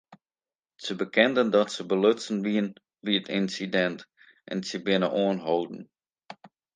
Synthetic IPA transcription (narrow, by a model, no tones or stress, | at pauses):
səbəkɛndəndɔtsəbəløtsən̩ʋiən | ʋiətɪnsidɛnt | ʔɛ̰nsəbɪnəʔoənɦowdn̩